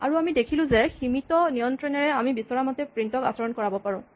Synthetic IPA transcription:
a̰ɹuamidekʰilʊ̃zɛximitɔnijɔntɹɔnɛɹɛamibisɔɹamɔtɛpɹintɔka̰sɔɹɔnkɔɹabɔpaɹʊ̃

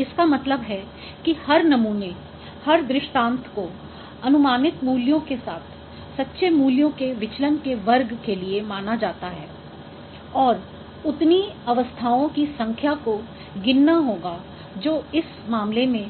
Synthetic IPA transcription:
ɪskamɐt̪ləbɦɛ | kihɐɾnɐmuːne | hɐɾd̪ɾɪʃʈãːnt̪ʰko | ɐnʊmaːnɪt̪muːljõkesaːt̪ʰ | sɐtːʃemuːljõkeʋɪt͡ʃlənkeʋɐɾɡkeliemaːnad͡ʒaːt̪aɦɛː | ɔːɾ | ʊt̪niɐʋəst̪ʰaːõkisɐ̃ŋkʰjako | ɡɪnːaɦoːɡa | d͡ʒoːɪs | maːmlemẽ

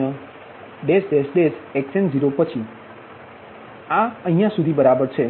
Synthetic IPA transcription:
a | ɖesd̪esd̪eseksend͡ʒiɾopət͡ʃʰi | aə̃ɦijãsud̪ʱibəɾabəɾt͡ʃʰe

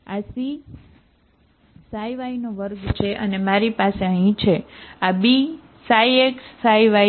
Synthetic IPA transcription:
asi | sajʋainoʋəɾɡt͡ʃʰeʔənemaɾipaseəɦĩt͡ʃʰeabi | sajeksaiʋa

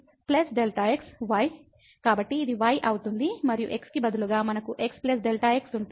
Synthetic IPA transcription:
plesɖelʈaːeksʋɐj | kaːbɐʈːiːd̪iʋɐːjʔɐwut̪und̪imɐɾijuʔe̞kskibɐd̪ʱuluɡaːmɐnɐkuʔe̞ksples̬ɖelʈaːeksuɳ

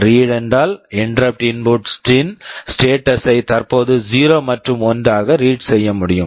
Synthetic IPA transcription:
ɾiːɽɛndraːlɪnɖɾɐp̚ʈɪnboʈsʈɪnsʈeːʈːɐsɐɪt̪ɐrpoːðɯd͡ʒiːɾoːmɐʈrɯmɔndaːɣɐɾiːʈsɛjːɐmʊɽɪjɯm

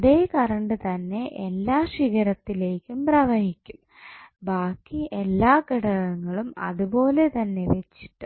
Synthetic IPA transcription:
ɐðe̞ːkɐɾɐɳɖɨt̪ɐnːe̞ʔelːaːʂiɣɐɾɐt̪ːile̞ːkʲːumprɐːʋɐhikʲːum | baːkːiʔelːaːkiɽɐɣɐŋːɐɭumɐ̰ðupo̞ːle̞t̪ɐnːe̞ʋe̞t͡ɕːi̥ʈːɨ

